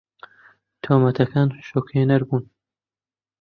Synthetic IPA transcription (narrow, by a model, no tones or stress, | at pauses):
t̪ʰoːmɐt̪ʰɐkaːnʃoːkheːnɐɾbuːn